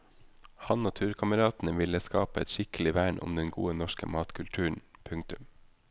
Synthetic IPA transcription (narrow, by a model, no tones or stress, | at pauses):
hɑnnɑt̪ʰʉːɾkʰɑməɾɑːt̪n̩əʋɪləskɑːpəɛt̪ʃɪkəlɪʋæːɳʊ̰md̪ɛnɡṵːənɔʃkə̰mɑːt̪kʰʉlt̪ʰʉːɳ̩pʰʉŋkt̪ʉm